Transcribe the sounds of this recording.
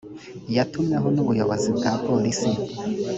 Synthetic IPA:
jatumɲeɦonuβujoβozibɡaːpo̞lisi

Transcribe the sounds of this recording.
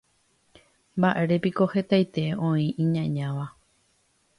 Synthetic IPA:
mbaʔe̞ɾepiko̞he̞t̪ajt̪e̞õ̞ĩʔĩɲãɲãʋa

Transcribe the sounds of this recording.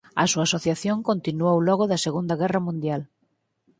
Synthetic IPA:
ɐ̰suaːsoθjaθjoŋkont̪inuowlɔɣoðɐseɣund̪ɐɣɛrɐmũnd̪jal

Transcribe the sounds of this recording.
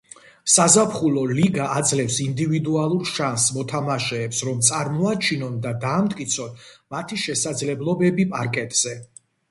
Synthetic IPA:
sazapʰχulˠɔliɡaʔːd̪zlɛfsind̪ivid̪ualˠuɾʃansmɔt̪ʰamaʃɛːpsɾɔmt̪sʼaɾmɔat͡ʃʰinɔnd̪ad̪aːmt̪ʼkʼit̪sʰɔnmat̪ʰiʃɛsad̪zlɛblˠɔbɛbipʼaɾkʼɛt̪ʼz̥ɛ

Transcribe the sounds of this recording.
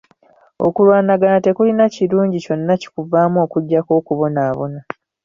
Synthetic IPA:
o̞̰kulwaːnaɡanate̞kulinaciɾuːɲɟico̞nːaci̥kuvaːmoːkuɟːako̞ːkuβo̞naːβo̞̰na

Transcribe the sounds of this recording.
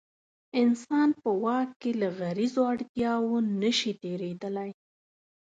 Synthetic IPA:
ɪnsɑnpəwɑkkːelaɣaɾizoaɽt̪jɑwonəʃit̪eɾed̪əlaj

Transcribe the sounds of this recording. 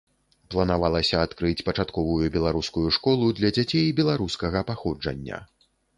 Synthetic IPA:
plˠɐnavalˠɐsʲɐat̪kɾɨt͡sʲpɐt͡ʂat̪kɔvujubʲɛlˠaɾuskujuʂkɔlˠud̪lʲɐd͡zʲat͡sʲejbʲɛlˠaɾuskɐɣɐpaxɔd͡ʐɐ̰nʲːɐ̰

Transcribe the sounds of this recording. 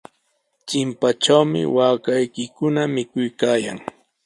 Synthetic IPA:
t͡ʃɪmpat͡ʃawmɪ̰waːkajkɪkʊnamɪkʊjkaːja̰ŋ

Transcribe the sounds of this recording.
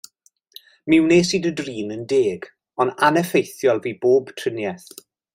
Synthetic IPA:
mɪwneːsiːdədriːnəndeːɡ̥ | ɔnanɛfejθjɔlˠviːboːb̥tʰrənjɛθ

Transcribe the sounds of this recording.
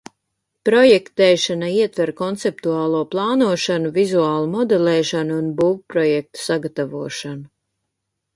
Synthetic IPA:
pɾɔjɛkt̪ɛːʃanaiɛt̪vɛɾkɔnt̪sep̚t̪uaːlˠuɔplˠɑːnuɔʃanuvizuaːlˠumɔd̪ɛlɛːʃanuunbuːwpɾɔjɛk̚t̪u̥saɡat̪avuɔʃanu

